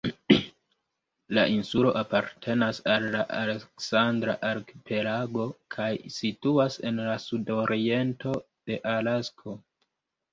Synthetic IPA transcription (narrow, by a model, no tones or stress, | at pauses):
la̰ʔinsulo̞̰ʔapaɾtʰe̞nasalːaʔale̞ksandɾa̰ʔalkpʰe̞laɡo̞kʰajsituase̞̰nlasudo̞ɾie̞nto̞ | d̥e̞ʔalaskʰo̞